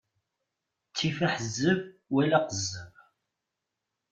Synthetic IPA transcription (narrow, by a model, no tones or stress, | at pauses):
t͡sːifəħəzːəvwælæqəzːəv